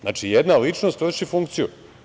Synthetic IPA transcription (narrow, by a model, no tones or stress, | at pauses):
zna̰ːt͡ʃijed̪nalit͡ʃnost̪ʋoʃifuŋkt̪siju